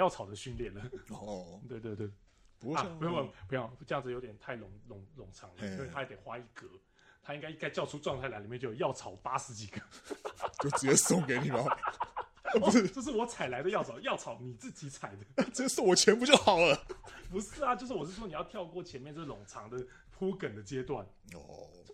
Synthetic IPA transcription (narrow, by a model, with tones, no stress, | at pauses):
jɑ˥˩ʊt͡sʰɑ˨˩ʊd̪ə˦ɕy˥˧nljɛ˥˩nlə˩ɔt̪we˥˧ɪt̪we˥˧ɪt̪we˥˩˧ | wpʰt͡ɕə˥˧jɑ˥˩ŋd͡z̩˨˩jo˧˥t̪jɛ˨˩nt̪ʰa˥˩ɪlʊ˨˩ŋlʊ˧˥ŋlʊ˨˩ŋʈ͡ʂʰɑ̰˧˥ŋə˧i˧˥˧t̪ʰa˥ɛ˧˩te˨˩ɪxwa˥i˧˥˩kɤ˧˦ | t̪ʰa˥i˥ŋka˥ɪi˥ŋka˥ɪt͡ɕjɑ˥˧ʊʈ͡ʂʰu˥ʈ͡ʂwɑ˥˧ŋt̪ʰa˥˩la˧˥i˨˩jɛ˥˧t͡ɕo˥˩˨jɑ˥˩ʊt͡sʰɑ˨˩ʊ˩pa˥ʂɻ̩˧˥t͡ɕi˨˩ɡə˦t͡ɕo˥˩ʊʈ͡ʂɻ̩˨˥t͡ɕjɛ˥˧sʊ˥˩ŋke˧˥ɪni˨˩mɐ˨˦˥ | pu˧˦˥ʂ̩˥˧t͡ɕo˥˧ʊʂ̬ɻ̩˥˩wɔ˧˥t͡sʰa˨˩ɪla˧ɪd̪ə˧˦jɑ˥˩ʊt͡sʰɑ˨˩˦ʊjɑ˥˩ʊt͡sʰɑ˨˥ʊni˨˩t͡sɹ̩˥˩t͡ɕi˨˥t͡sʰa˨˩ɪd̪ə˩˦ʈ͡ʂə˥˧ʂ̩˥˩wɔ˨˩t͡ɕʰjɛ˧˥npu˧˥t͡ɕjo˥˩ʊxɑ˨˩ʊlə˦pu˧˥ʂɹ̩˥˩a˨˩t͡ɕjo˥˧ʂ̬ɻ̩˥˩wɔ˨˩ʂɻ̩˥˩ʂɔ˥ni˨˩jɑ˥˧t̪ʰjɑ˥˧ʊkwɔ˥˩t͡ɕʰjɛ˧˦nmjɛ˥˧nt͡sə˥˩lʊ˨˩ŋʈ͡ʂʰɑ˧˥˦ŋd̪ə˧ | pʰu˦kə˨˩nd̪ə˦t͡ɕjɛ˥t̪wa̰˥˩n | ɔ̰